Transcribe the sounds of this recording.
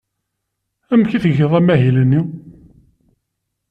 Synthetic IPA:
æmçiθəɣəðˤæmæɦilənːi

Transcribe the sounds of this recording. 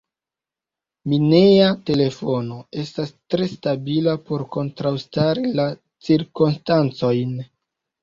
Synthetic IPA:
mineate̞le̞fo̞no̞e̞stastɾe̞stabilapo̞ɾko̞ntɾawstaɾila | t͡siɾkomstant͡so̞jn

